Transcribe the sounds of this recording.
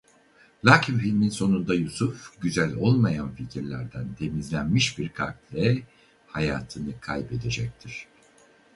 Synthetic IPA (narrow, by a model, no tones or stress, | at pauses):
lʲaːcʰimfilʲminso̞nund̪ajusufɟyzælʲo̞lˠmajanficʰiɾlʲæɾd̪ænt̪ʰe̞mizlʲænmiʃbiɾkʰatlʲɛ | hajaːt̪ʰɯnɯkʰajbe̞d̪e̞d͡ʒɛc̚t̪ʰiɾ̝̥